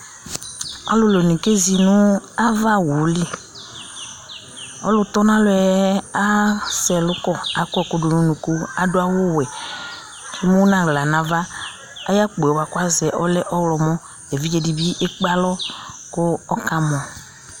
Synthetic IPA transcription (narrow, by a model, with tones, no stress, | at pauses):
a̰˦lʊ˨lo˨nĩ˨ke˦zi˨nʊ̃˦a˦va˦wu˨˦li˦ | ɔ̰˦lʊ˦t̪ɔ˦nã˦lʊ˦ɛ˨˦a˦sɛ˨lʊ˦kɔ˦˨a˨kɛ˨kʊ˦dʊ˨nʊ̃˦nũ˨ku˦a˨dʊ˦a˦wʊ˦wɛ˨ | ki˦mʊ̃˦nã˨ɣla˨nã˨vaː˦ | ja˦k͡pba˨kʊ˦a˦zɛ˨ʔɔ˦lɛ˦ʔɔ˦wlɔ˨mɔ̃˦ | ɛ˨vi˦d͡ʒɛ˨di˨bi˦ʔe˦k͡pa˦lɔ˦kʊ˦ɔ˦ka˦mɔ̃˨